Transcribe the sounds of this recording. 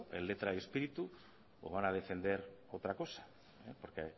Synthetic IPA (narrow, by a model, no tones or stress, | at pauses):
ḛlet̪ɾaiespiɾit̪u | o̰βanað̞efe̞nd̪eɾowt̪ɾako̞sḁ | epoɾke